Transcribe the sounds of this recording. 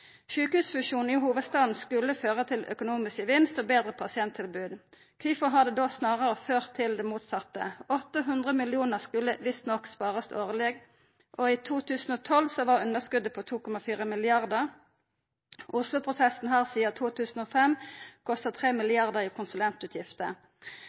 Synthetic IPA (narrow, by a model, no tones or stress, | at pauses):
ʃʉːkhʉːsfʉʃuːn̩ihuːʋəd̪st̪ɑːd̪n̩skʉlːəføːʁət̪ʰɪlʔœ̰kʊnuːmɪskəʋɪnst̪oːbeːd̪ʁəpʰɑsɪɛnt̪ʰɪlbʉːd̪ | kʰʏfɔɦɑd̪əd̪oːsnɑːʁəʁəføːʁt̪ʰːɪld̪ɛmuːt̪sɑt̪ːə̰ɔt̪ːəɦʉnd̪ʁəmɪlɪuːnəʁskʉlːəʋɪst̪nɔkːspɑːʁəst̪oːʁəleːɡ | ʔoiːt̪ʰuːt̪ʰʉːsn̩oːt̪ʰɔlsɔʋɑʁʉnəʁskʉd̪əpʰɔt̪ʰuːkɔmɑfiːʁəmɪlɪɑʁd̪əʁ | ʔʊslʊpʰʁʊsɛsn̩ɦæːʁsiːət̪ʰuːt̪ʰʉːsn̩oːfɛmkʰɔst̪ət̪ʰʁeːmɪlɪɑʁd̪əʁiːkʰʊnsʉlɛnt̪ʉːt̪ʰjɪft̪ə